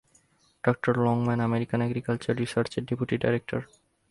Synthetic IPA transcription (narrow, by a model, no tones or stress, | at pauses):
ɖɔk̚ʈoɾlɔŋmɛnɛmeɾikanɛɡɾikalt͡ɕaɾɾisaɾt͡ɕeɾɖepuʈiɖajɾek̚ʈoɾ